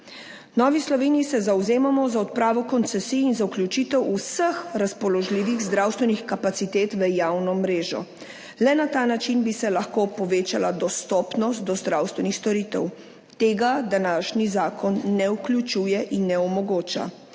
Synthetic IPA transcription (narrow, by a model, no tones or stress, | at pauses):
nɔːʋislɔʋeːniisɛzawzeːmamɔzaɔt̪̚pɾaːʋɔkɔnt̪sɛsiːinzauklʲjut͡ʃiːt̪ɛwusəxɾaspɔlɔʒliːʋiɣzd̪ɾawst̪ʋɛnixkapat̪sit̪eːt̪ʋəjawnɔmɾeːʒɔ̰ | lɛnat̪aːnat͡ʃinbisɛlaxkoːpɔʋeːt͡ʃalad̪ɔst̪ɔpnɔst̪̚d̪ɔzd̪ɾawst̪ʋɛnixst̪ɔɾit̪ɛ̰w | t̪eːɡad̪anaːʃnizaːkʰɔnːɛukljut͡ʃujɛʔinːɛɔmɔɡoːt͡ʃa̰